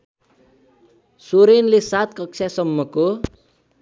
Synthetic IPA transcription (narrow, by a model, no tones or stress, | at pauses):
suɾinlisat̪̚kɔk̚t͡ʃʰɛsəmːəko